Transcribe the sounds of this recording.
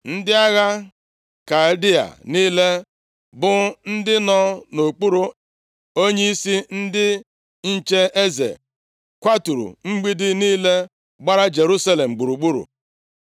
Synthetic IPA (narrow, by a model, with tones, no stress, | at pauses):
n̩˦dɪ˦a˦ɣa˦ | ka˨di˦a̰˨niː˦le˦ | bʊ˦n̩˦dɪ˦nɔ˦no˨k͡pu˦ɾu˦ | o˦ɲe˦i˦si˦n̩˦dɪ˦ | n̩˦t͡ʃe˦e˦zḛ˨ | kʷa˦tu˨ɾṵ˨ŋ͡m̩˦ɡ͡bi˦dɪ˦niː˦le˦ | ɡ͡ba˦ɾa˦d͡ʒe˨ɾu˦sa˦le˨m̩˨ɡ͡bu˨ɾu˨ɡ͡bu˦ɾṵ˨